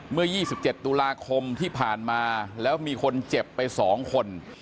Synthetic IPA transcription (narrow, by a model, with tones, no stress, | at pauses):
mɯ˥˩ɐjiː˥˩si˨˩p̚t͡ɕe˨˩t̪ːuː˧laː˧kʰo˧mt̪ʰiː˥˩pʰaː˨˩nmaː˧lɛː˦˥wmiː˧kʰo˧nt͡ɕe˨˩pːa˧jsɔː˩˦ŋkʰo˧n